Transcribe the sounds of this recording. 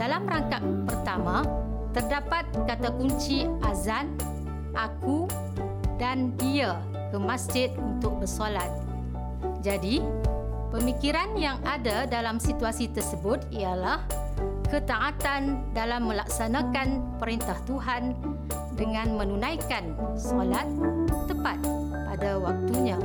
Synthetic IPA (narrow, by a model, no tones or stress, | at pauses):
dalamraŋkaʔpərt̪amã | t̪ərdapat̪̚kat̪akuɲt͡ʃiʔazan | ʔaku | dandia | kəmasd͡ʒɪt̪̚unt̪ʊk̚bərsolat̪̚ | d͡ʒadi | pəmikiɾanjaŋadadalamsit̪uasit̪ərsəbʊt̪ijalah | kət̪aʔat̪andalamːə̃lak̚sanakanpəɾint̪aht̪uɦan | dəŋãnmə̃nunãjkansolat̪̚ːəpat̪̚ | padawak̚t̪uɲã